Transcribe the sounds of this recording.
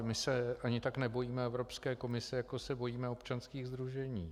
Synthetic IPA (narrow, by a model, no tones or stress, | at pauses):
mɪsɛʔaɲɪt̪aknɛbo̞jiːmɛɛvɾopskɛːko̞mɪsɪjakosɛbo̞jiːmɛo̞pt͡ʃanskiːɣzd̪ɾuʒɛɲiː